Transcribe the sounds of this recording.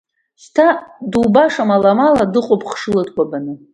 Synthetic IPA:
stʰadubaʂamalamaladɨqʷʼopʰʼχʂɨlɨtʼkʷʼabanɨ

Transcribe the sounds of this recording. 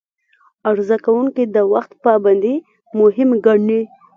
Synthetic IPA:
aɾzakawuŋkid̪əwaxt̪paband̪i | mʊɦɪmɡaɳnːi

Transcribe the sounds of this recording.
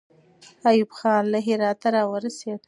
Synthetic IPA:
ajubxɑnlaɦɪɾɑt̪aɾɑwəɾased̪

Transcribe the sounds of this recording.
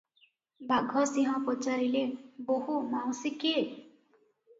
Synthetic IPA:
baɡʱɔsiɦɔ̃pɔt͡ʃaɾileboɦumaw̃sike

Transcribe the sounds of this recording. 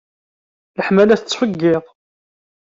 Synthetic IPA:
ləħmælæθət͡sːfəɡːɪðˤ

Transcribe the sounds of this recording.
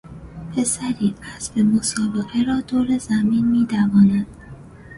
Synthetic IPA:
pʰe̞sæɾiːʔæsbemo̞sɒːbe̞ɣeɾɒːd̪oːɾe̞zæmiːnmiːt̪ʰævɒːnænd̪̥

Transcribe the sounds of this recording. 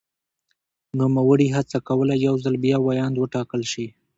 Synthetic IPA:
numawəɽiɦat͡sakawəlajawzalbjɑwajɑnd̪wəʈɑkəlʃi

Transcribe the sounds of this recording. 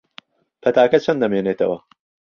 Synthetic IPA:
pʰɐt̪aːkɐt͡ʃʰɐnd̪ɐmeːneːt̪ʰɐ̰wɐ̰

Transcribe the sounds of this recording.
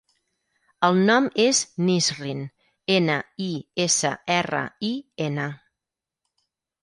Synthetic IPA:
əlˠnɔmeznizrin | enəiesə̰ɛrə̰ienə

